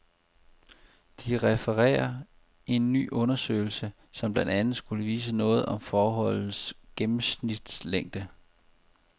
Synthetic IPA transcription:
d̥iʁɛfəʁɛ̰ːɐ | e̝nːy̰ːʔɔ̽nɐsø̰ːɪl̩sə | sɒ̽mb̥lænd̥ænð̩ˠsɡ̥uləʋiːs̬ənɔ̽ːð̞̩ˠɒ̽mfɒːɦɒ̽l̰n̩sɡ̥emm̩snid̥sleŋ̰d̥ə

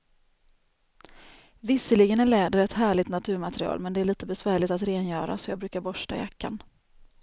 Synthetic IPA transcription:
vɪsəlɪɡənæɭɛːd̪əɾɛt̪hæːɭɪt̪nat̪ʰʉ̟ːɾmat̪ɾɪɑ̰ːlmɛnd̪ɛæɭiːt̪əbɛsvæːɭɪt̪at̪ɾeːnjœːɾa̰sɔjɑːbɾʉ̟ːkaɾbɔʂʈa̰ɪ̰jakʰːa̰n

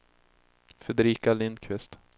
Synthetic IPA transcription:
fɛd̪ɛɾiːkalɪnd̪kʰvɪst̪

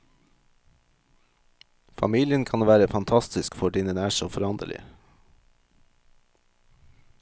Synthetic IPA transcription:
fɑ̰miːlɪənkʰɑnʋæːɾəfɑnt̪ʰɑst̪ɪskfɔɖɪnənæːʃoːfɔɾɑnd̪ə̰ɭɪ̰

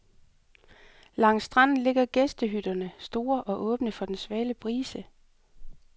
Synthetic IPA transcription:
lɑ̈ŋ̰sd̥ʁɑ̈n̰n̩le̝ɡ̥ɐɡ̥esd̥əɦyd̥ɐnəsd̥o̝ːɐʔɒ̽ʔɔ̽ːb̥nəfɒ̽d̥ensʋɛːləpʰʁiːsə

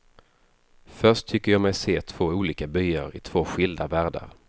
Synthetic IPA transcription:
fœʂtt̪ʰʏkːəjɑːmɛjseːt̪ʰv̥oːuːliːkabyːaɾɪt̪ʰv̥oːɧɪld̪avæːɖa̰ɾ

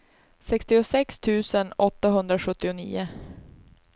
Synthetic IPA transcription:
sɛkst̪ɪʊsɛkst̪ʰʉ̟ːsənɔt̪ːaɦɵnd̪ɾaɧɵt̪ːɪʊnḭːʊ

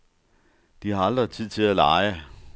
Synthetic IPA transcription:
d̥ihɑ̈ɑld̥ʁɐt͡sʰið̰ˠt͡sʰe̝lælɑɪə

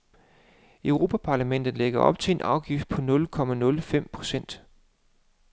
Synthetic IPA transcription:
œʊʁo̝ːpʰæpʰɑ̈ːlæmen̰d̥ð̞̩ˠleɡ̥ɐɒ̽b̥̚t͡sʰe̝e̝nʔɑ̈ʊɡ̥ifd̥̚pʰɒ̽nɔ̽lkʰɒ̽mænɔ̽ləfem̰pʰʁo̝̥sen̰d̥

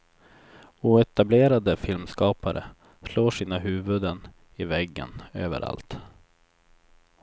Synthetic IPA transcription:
uːɛt̪ableːɾad̪əfɪlmskɑːpaɾʔə̰ | sloːʂiːnaɦʉ̟ːvɵd̪ən | ɪvɛɡːə̰nø̰ːvə̰ɾʔa̰lt̪

